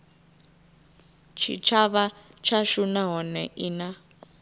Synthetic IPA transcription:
t͡ʃʰḭt͡ʃʰaβa | t͡ʃʰaʃunaɦɔnɛʔina

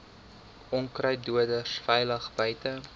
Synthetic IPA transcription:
ɔŋkrœjduədəsfɛjləχbœjtə

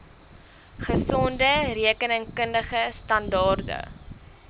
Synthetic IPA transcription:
χəsɔndəriəkənəŋkəndəχəstɐndɑːrdə̰

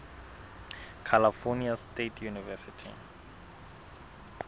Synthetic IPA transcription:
kʰalafɔniastetʰjunivɛsitʰḭ

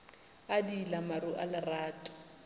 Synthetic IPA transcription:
adilamaɾuʔalɪraːtʼḁ

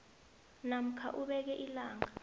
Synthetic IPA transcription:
nam̩kʰa̰ʔuɓɛk̬ɛʔilaːŋa

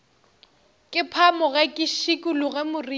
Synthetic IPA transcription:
kʼɪpʰamʊɣɛkʼɪʃikʼʊlʊɣɛmʊri

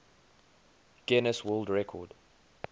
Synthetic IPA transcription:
ɡ̥ɛnəswɜlˠdɹɛkʰɔ̰d̥

